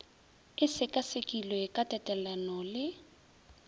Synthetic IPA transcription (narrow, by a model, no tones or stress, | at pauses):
ɪsɪkʼasekʼilɔɪkʼatʼɛtʼɛlanɔlɪ